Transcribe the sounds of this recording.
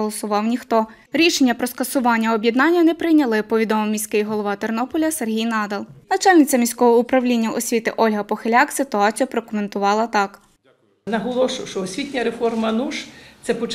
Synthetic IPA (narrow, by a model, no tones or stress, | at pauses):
ɔlˠɔsʊʋɑwnʲixt̪ɔ | ɾʲiʃenʲːɐpɾɔskɐsʊʋɑnʲːɐɔbʲjɛd̪nɑnʲːɐnɛpɾɪjnʲɐlˠɪpɔʋʲid̪ɔmɔmʲisʲkɪjiɦɔlˠɔʋɑt̪ernɔpɔlʲɐserɦʲijnɑd̪ɐlˠnɐt͡ʃɑlʲnɪt͡sʲɐmʲisʲkɔɦɔʊpɾɐwlʲinʲːɐɔsʲʋʲit̪ɪʔɔlʲɦɐpɔxelʲɑksɪt̪ʊɑt͡sʲijɐpɾɔkʊme̞nt̪ʊʋɑlˠɐt̪ɑk | nɐɦɔlˠɔʃʊwʃt͡ʃɔɔsʲʋʲitʲnʲɐɾefɔrmɐnuʃt̪sɛpɔ